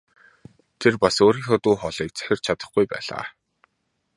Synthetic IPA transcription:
t̪ʰerpasoːɾiːŋxɔːt̪uːχɔɮiːk̚t͡sœ̥xʲɪ̆r̥t͡ɕʰat̪ə̆χɡujpæ̰ːɮa̰ː

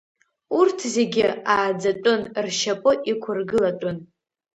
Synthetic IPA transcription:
urtʰze̞ɡʲɪaːd͡zatʷʼʊnrʃapʼɨʔikʷʰʊrɡɨlatʷʼʊn

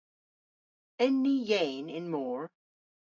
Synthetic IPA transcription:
ɛ̃nːijẽɪ̃nɪ̃nmɔɹ

